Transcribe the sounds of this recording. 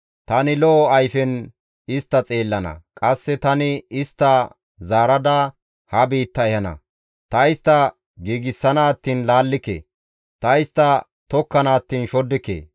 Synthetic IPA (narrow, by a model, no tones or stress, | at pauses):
t̪ɐnɪlɔɐjfɛn | ɪst̪ːɐt͡sʼe̞ːlːɐnɐ̰kʼɐsːɛt̪ɐnɪɪst̪ːɐ | zaːɾɐd̪ɐ | hɐbiːt̪ːɐɛhɐnɐ̰ | t̪ɐɪst̪ːɐ | ɡiːɡɪsːɐnaːt̪ːiːnlaːlːɪkḛː | t̪ɐɪst̪ːɐ | t̪ɔkːɐnaːt̪ːiːnʃɔd̪ːɪkḛː